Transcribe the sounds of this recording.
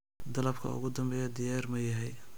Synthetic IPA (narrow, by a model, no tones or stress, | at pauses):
d̪ɐlɐbkʰɐ̰ʊ̰ɣʊd̪ɐmbɛːjɔd̪ɪjaːrmɐjɐɦɛj